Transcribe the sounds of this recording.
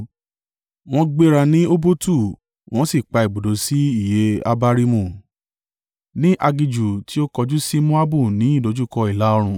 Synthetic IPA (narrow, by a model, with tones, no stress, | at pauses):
w̃ɔ̃˦ɡ͡be˧ɾa˧nĩ˦o˦bo˦tu˦˨ | w̃ɔ̃˦si˦˨k͡pa˧i˨bo˨do˨˦si˦i˦˨je˨˦a̰˧ba˦ɾi˦mũ˧˨ | nĩ˦ʔa˧ɡi˧d͡ʒu˨ti˨˦o˦kɔ˧d͡ʒu˦si˦mũ˦a˦bu˦˨nĩ˨˦i˦˨do˨˦d͡ʒu˦kɔ˧i˨la˨˦ɔ˧ɾ̃ũ˧